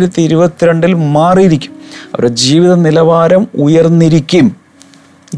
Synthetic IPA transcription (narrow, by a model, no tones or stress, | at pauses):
ɾɐt̪ːiiɾubɐt̪ːiɾeɳɖilmaːriiɾikʲːumɐ̰ʋɐ̰ɾed͡ʑiːʋiðɐnilɐʋaːɾɐmujɐrnːiɾikʲːum